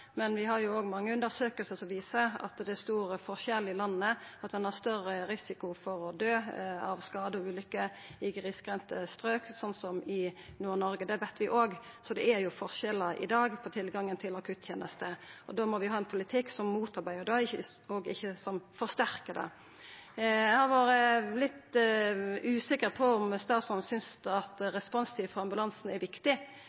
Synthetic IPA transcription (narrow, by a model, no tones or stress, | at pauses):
mɛnʋɪɦɑɾjʊoːɡmɑŋːəʉnd̪əɾsøːkəlsəsɔʋiːsəɑ̰t̪d̪ɛst̪uːɾəfɔʁʃɛlːɪlɑnːəɑt̪d̪ɛnhɑʁst̪œrːəʁɪsɪkʊfɔɾɔd̪øːɑʋskɑːd̪əɔʉːlʏkːə | ɪɡʁɪskʁɛnt̪əst̪ɾøːksɔnt̪sɔmɪnuːʁnɔɾɡəd̪ɛʋɛt̪ʰːʋɪʔoːɡ | sɔd̪ɛæɾjʊfɔɾʃɛlːəɾʔɪ̰d̪ɑːɡpʰɔt̪ʰɪlɡɑŋːənt̪ʰɪlɑkʰʉt̪ːʰjeːnəst̪əʔɔd̪oːmɔʋɪhɑːɛnpʰʊlɪt̪ʰɪkːsɔmːuːt̪ɑɾbæɪəʁd̪ɑɪçəɔɡɪ̰çːəsɔmfɔʁst̪æʁkəd̪ɛ̰ | hɑɾʋɑːɾəlɪt̪ | ʉːsɪkəʁpʰɔɔmst̪ɑːsɔnsʏnsɑt̪ɾɛspɔnst̪ʰiːʋfɔɾɑmbʉlɑnsnɛɾʋɪkt̪ɪ